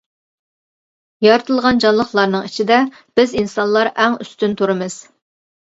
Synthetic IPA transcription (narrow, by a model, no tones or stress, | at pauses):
jɑɾɨt̪ʰɨlˠʁɑnd͡ʒɑnlˠəχlˠɑɾnɨŋit͡ʃʰid̪ɛ | b̥ɪzinsɑnlˠɑɾʔɛŋyst̪ynt̪ʰuɾɨmɨz̥